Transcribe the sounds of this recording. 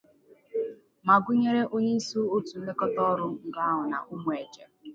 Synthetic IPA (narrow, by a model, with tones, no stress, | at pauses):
ma˨ɡʷʊ˦ɲe˦ɾe˦ʔo˦ɲe˦i˦su˦o˦tu˨˦le˦kɔ˦tɔ˦ɾʊ˦ŋ̩˨ɡa˦a˦ɦʊ˨na̰˨ʔʊ˦mʊ˨e˨t͡ʃe˨